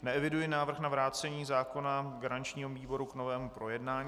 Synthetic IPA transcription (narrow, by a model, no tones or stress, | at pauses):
nɛɛvɪdujɪnaːvr̩xnavɾaːt͡sɛɲiːzaːko̞naɡaɾant͡ʃɲiːɦoviːbo̞ɾukno̞vɛːmupɾo̞jɛdnaːɲ